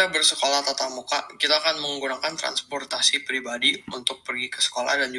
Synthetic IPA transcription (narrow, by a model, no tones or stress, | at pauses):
abərsəkolaht̪at̪amukakit̪aːkanməŋɡunakant̪ɾa̰nspɔrt̪asipɾibadiunt̪ʊk̚pərɡikə̥sə̥kola̰hdand͡ʒu